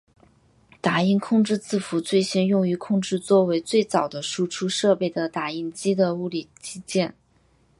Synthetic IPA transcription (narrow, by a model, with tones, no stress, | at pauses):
t̪a˨˩i˥nkʰʊ˥˧ŋʈ͡ʂɻ̩˥˧t͡sɹ̩˥˩fu˧˥t͡swe˥˩ɪɕi˥njʊ˥˧ŋy˧˥kʰʊ˥˧ŋʈ͡ʂɻ̩˥˧t͡swɔ˥˩we˧˥ɪt͡swe˥˩ɪt͡sɑ˨˩ʊd̪ə˦ʂu˥ʈ͡ʂʰu˥ʂɤ˥˧pe˥˩ɪd̪ə˩t̪a˨˩i˥˩nt͡ɕi˥d̪ə˨u˥˩li˨˩t͡ɕi˥t͡ɕjɛ˥˩n